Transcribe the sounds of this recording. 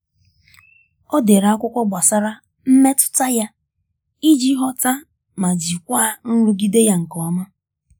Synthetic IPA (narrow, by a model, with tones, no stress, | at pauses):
ɔ˦de˨ɾa˦kʷʊ˦kʷɔ˦ɡ͡ba˨sa˦ɾa˦ | m̩˦me˦tʊ̥˦ta˦ja˦ | i˦d͡ʒi˦ɦɔ˦ta˦ | ma˨d͡ʒi˨kʷa˦n̩˦ɾu˦ɡi˦de˦ja˦ŋ̩˨kɔ˨˦ma˦